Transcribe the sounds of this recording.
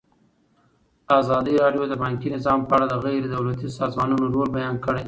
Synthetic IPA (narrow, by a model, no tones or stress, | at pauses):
azɑd̪iɾɑɖjod̪əbaŋkinɪzɑmpəaɽad̪əɣajɾed̪awlat̪isɑzmɑnunoɾolbajɑnkəɽe